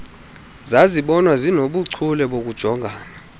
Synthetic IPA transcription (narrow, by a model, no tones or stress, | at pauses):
zaziɓɔnwazinoɓuǀʰulɛɓok̬ud̥ʒ̥ʱɔŋʱaːna